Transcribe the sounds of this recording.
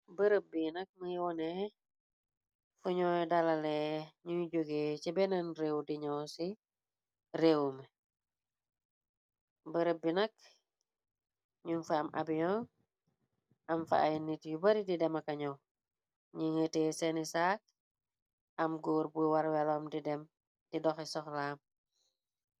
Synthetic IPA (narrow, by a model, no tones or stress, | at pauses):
bəɾəbinɐk̚məjiwɔnɛ | fuɲɔːjdɐlalɛɲuɟoɡeːt͡ʃɛbɛnɐnrewdiɲɔsi | ɾewmə | bəɾəbinɐk̚ | ɲunfɐːmʔɐ̰bijɔn | ʔɐmfɐ̰ajnitjubɐɾididɛmɐkɐɲɔw | ɲiŋəteːsɛnisaːk̚ | ɐmɡɔːɾbuwaɾwɛlɔmdidɛm | d̥idɔxɛsɔxlaːm